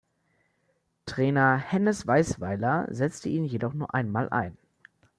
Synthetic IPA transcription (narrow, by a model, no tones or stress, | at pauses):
tʁ̥ɛːnɐhɛnəsv̥aɪsv̥aɪlɐ̰zɛt͡stəʔiːnjedɔχnuːɐʔaɪnmaːlʔa̰ɪn